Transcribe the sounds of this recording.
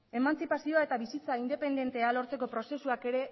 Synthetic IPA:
e̞mant͡sipasioae̞t̪aβisit͡saind̪e̞pe̞nd̪e̞nt̪e̞alo̞ɾt͡se̞ko̞pɾo̞se̞suake̞ɾe̞

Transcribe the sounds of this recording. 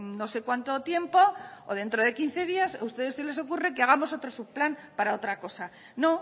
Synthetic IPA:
no̞se̞kwant̪o̞t̪je̞mpo̞oð̞e̞nt̪ɾo̞ð̞e̞kin̟θe̞ðiasust̪e̞ðe̞sːe̞le̞s̬o̞kure̞keaɣ̞amo̞so̞t̪ɾo̞suβplanpaɾao̞t̪ɾako̞sa | no̞

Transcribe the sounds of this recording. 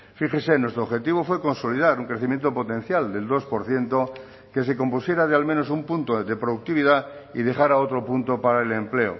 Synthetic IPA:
fixesenwe̞st̪ɾoβxe̞t̪iβ̞ofwe̞ko̞nsoliðaɾuŋkɾeθimje̞nt̪opot̪ẽ̞n̟θjald̪e̞ld̪o̞spoɾθje̞nt̪o | ke̞se̞ko̞mpusje̞ɾað̞ealmẽno̞sumpunt̪oðepɾoðuk̚t̪iβ̞iðaḭð̞e̞xaɾaot̪ɾopunt̪opaɾaelemple̞o̰

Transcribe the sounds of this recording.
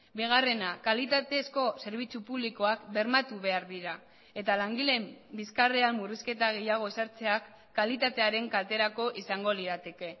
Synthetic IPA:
biɣ̞are̞nakalit̪at̪e̞sko̞se̞ɾβ̞it͡supuβliko̞akbe̞ɾmat̪uβe̞aɾðiɾa | e̞t̪alaŋɡile̞mbiskareamːuriske̞t̪aɣ̞e̞jaɣ̞o̞esaɾt͡se̞akː | alit̪at̪e̞aɾe̞ŋkalt̪e̞ɾako̞ʔisaŋɡo̞liðat̪e̞ke̞

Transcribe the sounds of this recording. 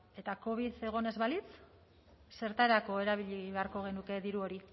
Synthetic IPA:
e̞t̪ako̞β̞iθe̞ɣ̞o̞ne̞zβalit͡s | se̞ɾt̪aɾako̞e̞ɾaβ̞iʎiβe̞aɾko̞ɣ̞e̞nuke̞ðiɾuo̞ɾi

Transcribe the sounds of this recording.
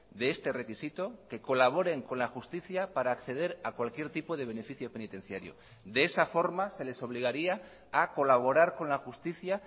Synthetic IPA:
d̪e̞est̪e̞re̞kisit̪o̞ke̞ko̞laβ̞o̞ɾe̞ŋkõ̞nlaxust̪iθjapaɾaːkθe̞ð̞e̞ɾakwalkje̞ɾt̪ipo̞ðe̞β̞e̞ne̞fiθjo̞pe̞nit̪e̞n̟θjaɾjo̞̰ | d̪eesafo̞ɾmase̞le̞so̞β̞liɣ̞aɾia | ako̞laβ̞o̞ɾaɾko̞nlaxust̪iθja

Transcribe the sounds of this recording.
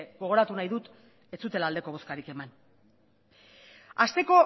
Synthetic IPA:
ɡo̞ɣ̞o̞ɾat̪unajðut̪ | e̞t͡sut̪e̞laːld̪e̞koo̞skaɾike̞man | ast̪e̞ko̞

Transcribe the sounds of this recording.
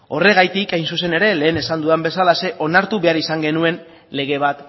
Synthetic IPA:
o̞re̞ɣ̞ajt̪ikajnsuse̞ne̞ɾe̞le̞ːne̞sand̪uðambe̞salase̞ʔo̞naɾt̪uβe̞aɾisaŋɡe̞nue̞n | le̞ɣ̞e̞β̞at̪

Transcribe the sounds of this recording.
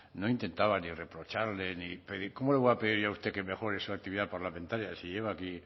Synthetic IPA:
noint̪ẽ̞nt̪aβanire̞pɾo̞t͡ʃaɾle̞nipeðiko̞moleβeape̞ð̞iɾʝaust̪eke̞me̞xo̞ɾesuak̚t̪iβiðapaɾlamẽnt̪aɾjasiʝe̞β̞aːki

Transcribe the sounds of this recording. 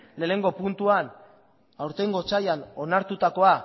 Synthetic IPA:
le̞ːne̞ŋɡo̞punt̪uan | awɾt̪e̞ŋɡo̞t͡sajano̞naɾt̪ut̪ako̞a

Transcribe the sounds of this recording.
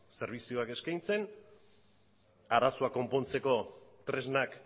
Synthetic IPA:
se̞ɾβ̞isioake̞skajnt͡se̞n | aɾasoako̞mpo̞nt͡se̞ko̞t̪ɾe̞znak

